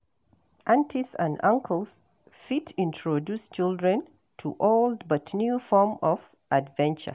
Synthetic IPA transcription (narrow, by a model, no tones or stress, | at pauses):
ʔãntʰisã̰ndãŋkʰəls | fitʰĩntʰɹɔdust͡ʃɪldɹɛ̃n | tʰuʔoldbʌtnjufɔmɔv | ʔadvɛ̃nt͡ʃə̰